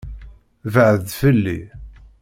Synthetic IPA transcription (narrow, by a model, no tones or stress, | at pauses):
vəʕðfəlːḭ